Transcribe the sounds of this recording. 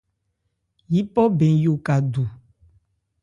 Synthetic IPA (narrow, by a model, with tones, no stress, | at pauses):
ji˦pɔ˦be˨jo˨ka˨du˨